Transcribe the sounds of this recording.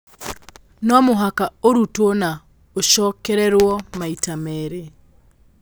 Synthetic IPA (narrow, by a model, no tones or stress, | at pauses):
nɔmoɦakaoɾutona | oʃɔkɛɾɛɾwɔmaitamɛɾe